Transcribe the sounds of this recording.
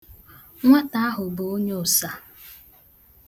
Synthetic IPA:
ŋʷa˦ta˦a˦ɦʊ˨bo˨o˦ɲe˦ʊ˨sa˦

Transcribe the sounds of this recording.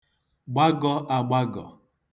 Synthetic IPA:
ɡ͡ba˦ɡɔ˦ʔa˨ɡ͡ba˦ɡɔ̰˨

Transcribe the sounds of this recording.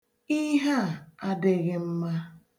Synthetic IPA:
i˦ɦa˦˨a˦dɪ˨ɣɪ˦m̩˦ma˦

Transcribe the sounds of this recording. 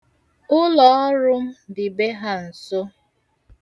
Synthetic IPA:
ʊ˦lɔ˨ɔ˦ɾʊ˦m̩˦dɪ˨be˦ɦa˦n̩˨so˦

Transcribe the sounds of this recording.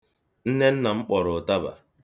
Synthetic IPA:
n̩˦ne˦n̩˦na˨ŋ͡m̩˦k͡pɔ˨ɾʊ˨ta˦ba̰˨

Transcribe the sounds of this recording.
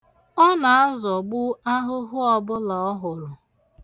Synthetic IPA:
ɔ˦na˨a˦zɔ˨ɡ͡bʊ˦a˦ɦʊ˦ɦʊ˦ɔ˨bʊ˦la˨ɔ˦ɦʊ˨ɾʊ˨

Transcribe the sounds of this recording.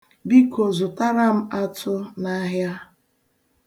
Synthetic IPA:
bi˦kʰo˨zʊ˨ta˦ɾa˦m̩˦a˦tʰʊ˦na˦ɦja˦

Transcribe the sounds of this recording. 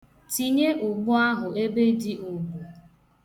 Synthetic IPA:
ti˨ɲe˦ʔʊ˨ɡ͡bʊ˦a˦ɦʊ˨e˦be˦di˦ʔʊ˨ɡ͡bu˨

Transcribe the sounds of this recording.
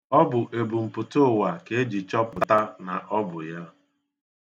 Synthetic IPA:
ɔ˦bʊ˨ʔe˨bu˨m̩˨pʊ˨tʊ˦˨wa˨ke˨e˦d͡ʒi˨t͡ʃɔ˦pʊ˨ta˦na˨ʔɔ˦bʊ˨ja˦

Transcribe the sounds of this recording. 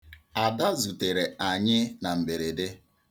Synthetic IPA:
a˨da˦zu˨te˨ɾe˨a˨ɲɪ˦na˨m̩˨be˨ɾe˨dɪ˦

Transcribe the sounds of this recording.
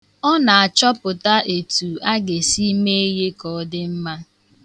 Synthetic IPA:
ɔ˦na˨a˨t͡ʃɔ˦pʊ˨ta˦ʔe˨tu˨a˦ɡe˨si˦me˦e˦je˦kɔ˨˦dɪ˦m̩˦ma˦

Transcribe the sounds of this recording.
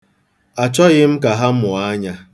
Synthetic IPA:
a˨t͡ʃɔ˦ɣɪ˦m̩˦ka˨ɦa˦m̩˦mʊ˨a˦ɲa˦

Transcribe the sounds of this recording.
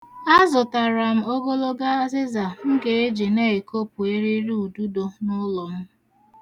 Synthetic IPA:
a˦zʊ˨ta˨ɾa˨m̩˦o˦ɡo˦lo˦ɡa˦zɪ˦za˨ŋ̩˦ɡe˨e˦d͡ʒe˨ne˦e˨ko˦pu˨e˦ɾe˦ɾi˦u˨du˦do˨nʊ˦lɔ˨m̩˦

